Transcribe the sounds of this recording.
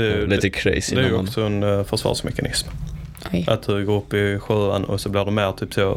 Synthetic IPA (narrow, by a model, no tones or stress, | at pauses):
ɛlit̪əkʰɾḛɪsdd̪ɛæɾjɔksɔɛnfœʂvɑ̰ːʂmʔɛ̰kanʔɪsm | ʔa̰t̪̚d̪ɵɡoːɾɵpːɪɧøːa̰nʔɔ̰sɔblɪɖɛmeːɾt̪ʰyːp̚t̪ʰoː